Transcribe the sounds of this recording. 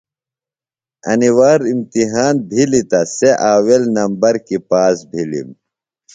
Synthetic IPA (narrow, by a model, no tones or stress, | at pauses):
ɐ̰niwaːɾimt̪iɦaːnbʱilit̪ɐseʔaːwelnɐmbɐɾkipaːsbʱilḭm